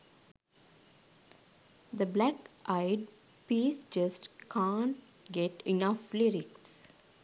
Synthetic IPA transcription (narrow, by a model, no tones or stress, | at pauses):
d̪əblækʔaɪɖ | piːsd͡ʒʌsʈkʰãːɳʈ | ɡeʈinafliɾiks